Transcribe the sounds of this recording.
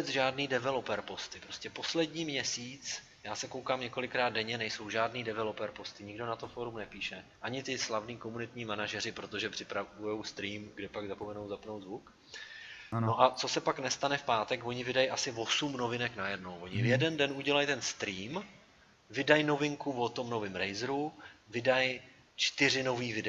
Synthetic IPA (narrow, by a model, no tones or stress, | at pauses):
bɛt͡sʒaːdniːdɛvɛlopɛɾpo̞st̪ɪpɾoscɛpo̞slɛdɲiːmɲɛsiːt͡s | jaːsɛkowkaːmɲɛko̞lɪkɾaːd̪̚dɛɲɛnɛjso̞wʒaːdniːdɛvɛlopɛɾpo̞st̪ɪɲɪɡdo̞nat̪ofoɾumnɛpiːʃɛʔaɲɪt̪ɪslavniːko̞munɪt̪ɲiːmanaʒɛr̝ɪpɾo̞t̪o̞ʒɛpr̝̥ɪpɾaujo̞wst̪ɾiːmɡdɛpaɡzapo̞mɛno̞wzapnowd̪zvuk | nnoʔat͡so̞sɛpaknɛst̪anɛfpaːt̪ɛkvo̞ɲɪvɪdajʔasɪvo̞sumno̞vɪnɛknajɛdno̞wvo̞ɲɪvjɛdɛndɛnʔuɟɛlajt̪ɛnst̪ɾiːm | vɪdajno̞vɪŋkuvot̪o̞mno̞vɪmɾɛjzɾuvɪdaj | t͡ʃt̪ɪrɪnoviːvɪdɛ